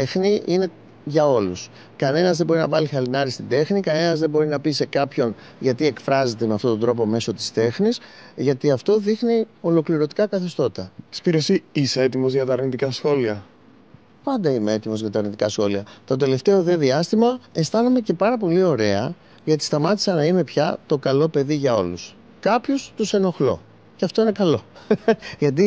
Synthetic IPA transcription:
exniine̞ | ʝɐo̞lus | kɐne̞nɐzðe̞bo̞ɾinɐvɐlixɐlinɐɾist̪id̪e̞xnikɐne̞nɐzðebo̞ɾinɐpise̞kɐpço̞n | ʝɐt̪ie̞kfɾɐze̞t̪e̞meɐft̪o̞t̪od̪ɾo̞po̞me̞so̞t̪i̥st̪e̞xnisʝɐt̪iɐft̪o̞ðixnio̞lo̞kliɾo̞t̪i̥kɐkɐθist̪o̞t̪ɐspiɾesiiseet̪imo̞zʝɐt̪ɐːɾnit̪ikɐsxo̞liɐ | pɐnd̪ɐimee̞t̪imo̞zʝɐt̪ɐːɾnit̪ikɐsxo̞liɐt̪o̞d̪e̞le̞ft̪e̞o̞ðe̞ðiɐst̪imɐe̞st̪ɐnome̞ce̞pɐɾɐpo̞lio̞ɾe̞ɐ̰ | ʝɐt̪i̥st̪ɐmɐt̪i̥sɐnɐine̞pçɐt̪o̞kɐlo̞pe̞ðiʝɐo̞lus | kɐpço̞st̪use̞no̞xlo̞̰ | ceɐft̪o̞ine̞kɐlo̞ | ʝɐt̪̬i

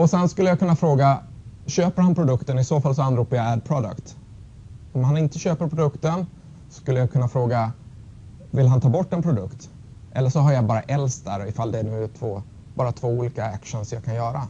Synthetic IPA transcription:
ɔsɛnskɵlːəjakʰɵnːafɾoːɡaɕøːpəɾhanpʰɾʊd̪ɵkt̪ənɪsoːfals̬ɔanɾuːpajaæɖ̚pʰɾɔd̪ə̰kt̪ | ɔmhanɪnt̪əɕøːpəɾpʰɾʊd̪ɵkt̪ən | sɔ̥skɵlːəjakʰɵnːafɾoːɡa | vɪlɦant̪ʰɑːbɔʈːɛnpʰɾʊd̪ɵkt̪ | ʔɛ̰lːəʂɔɦaɾjabɑːɾaʔɛlst̪̚d̪æɾɔɪfald̪ɛːnʉ̟ːt̪ʰvoː | bɑːɾat̪ʰv̥oːuːliːkaækʂənsmjakʰanjœːɾa̰

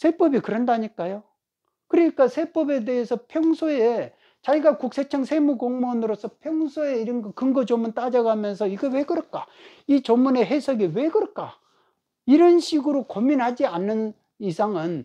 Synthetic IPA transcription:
sʰe̞p͈ʌbikɯɾʌndaɲik͈ajo | kɯɾʌɲik͈asʰe̞p͈ʌbe̞de̞ɦesʰʌpʰjʌŋsʰoe | t͡ɕaiɡakuk̚s͈ʰe̞t͡ɕʰʌŋsʰemuɡoŋmonɯɾos͈ʰʌpʰjʌŋsʰoe̞iɾʌnɡʌkɯŋɡʌd͡ʑomɯnt͈ad͡ʑʌɡamjʌnsʰʌiɡewe̞ɡɯɾʌk͈a | it͡ɕʌmːune̞ɦesʰʌɡiwe̞ɡɯɾʌk͈a | iɾʌnɕʰiɡɯɾokomːinɦad͡ʑianːɯn | isʰaŋɯn

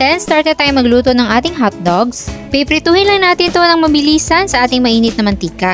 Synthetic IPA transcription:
t̪ɛnst̪aːɹt̪ɛd̪̚t̪aːjomɐɡluːt̪onɐŋʔaːt̪ɪŋɦat̪̚d̪oɡspɪpɾɪt̪uːhɪnlɐŋnaːt̪ɪnt̪o̞nɐŋmɐbɪliːsɐnsɐʔaːt̪ɪŋmɐʔiːnɪt̪̚nɐmɐnt̪ikɐ

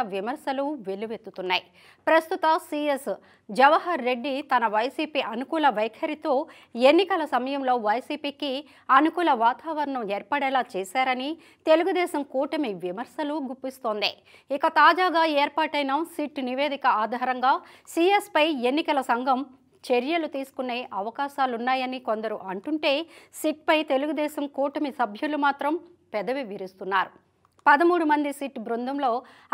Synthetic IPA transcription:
ʋimɐɾsɐluʋeluʋet̪ːut̪unːaːj | pɾɐst̪ut̪ɐsiːes | d͡ʒɐʋɐɦɐɾːe̞ɖːit̪ɐnɐʋɐjsiːpiʔɐnukuːlɐʋɐjkʰɐɾit̪o̞ː | e̞nːikɐlɐsɐmɐjɐmlo̞ːʋɐjsiːpiːki | ɐnukuːlɐʋaːt̪aːʋɐɾɐɳɐmeːɾpɐɽɛːlaːt͡ʃɛːsaːɾɐni | t̪e̞luɡud̪ɛːʃɐmkuːʈɐmeʋimɐɾsɐluɡupːist̪o̞ːnd̪ḭ | ikɐt̪aːd͡ʒaːɡaːɛːɾpaːʈɐjnɐsiʈniʋe̞ːd̪ikɐaːd̪ʱaːɾɐŋɡaːsiːespɐje̞nːikɐlɐsɐŋɡʱɐm | t͡ʃeɾjɐlut̪iːsu̥kunːe̞ːʔɐʋɐkaːʃaːlunːaːjɐniko̞nd̪ɐɾuʔɐɳʈuɳʈe̞ːsiʈ̚pɐjt̪e̞luɡud̪ɛːsɐmkuːʈɐmisɐbʱjulumaːt̪ɾɐm | pɛd̪ɐʋiʋiɾist̪unːaːɾu | pɐd̪ɐmuːɽumɐnd̪isiːʈbɾund̪ʱɐmlo̞ː

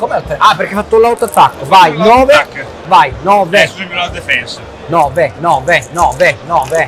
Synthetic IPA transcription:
komɛt̪apeɾkːefat̪ːulːawt̪at̪ːat̪ːovajnɔːve | vajnɔːved̪efɛns | nɔːvenɔːvenɔːvenɔːve

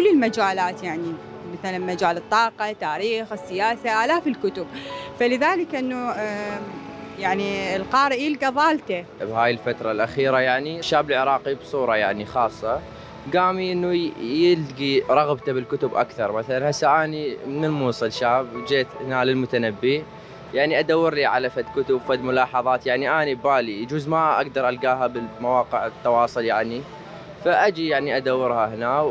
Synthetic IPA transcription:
kʊlːɪlmad͡ʒaːlaːt̪jaʕni | maθalanmad͡ʒaːlɨt̪ˤːɑːqɑt̪aːɾiːxɪsːɪjaːsaʔaːlaːfɪlkʊt̪ʊbfalɪðaːlɪkʔɪnːu | jaʕniɪlqɑːɾɪʔjɪlɡaðˤɑːlt̪abhaːjɪlfat̪ɾˤɑlʔaxiːɾajaʕniʃːaːbɪlʕɪɾˤɑːqibsˤuːɾˤɑjaʕnixɑːsˤːɑ | ɡaːmiʔɪnːujɪlɡiɾˤɑɣbt̪abɪlkʊt̪ʊbʔa̰kθɑɾˤmaθalanhasːaʔaːnimnɪnmuːsˤɨlʃaːbd͡ʒeːt̪hɪnalɪlmʊt̪anabːi | jaʕniʔad̪awːɪɾliʕalafad̪kʊt̪ʊbfad̪mʊlɑːħɑðˤɑːt̪jaʕniʔaːnibaːlid͡ʒuːzmaʔa̰ɡd̪ɑɾˤʔalɡaːɦabɪlmawɑːqɪʕɪt̪ːɑwɑːsˤʊljaʕni | faʔad͡ʒijaʕniʔad̪awːɪɾhahɪna

